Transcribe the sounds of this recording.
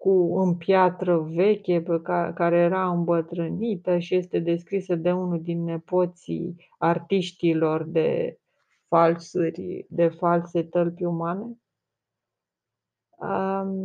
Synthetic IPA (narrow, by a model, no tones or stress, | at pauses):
kuɨmpjat̪ɾəve̞kʲepekakaɾe̞jeɾaɨmbət̪ɾɨnit̪əʃije̞st̪e̞d̪e̞skɾisəd̪e̞unuld̪inːe̞po̞t̪sḭ | art̪iʃt̪ilo̞rd̪e̞̰ | falsurʲd̪e̞false̞t̪əlpʲjumane̞ | ə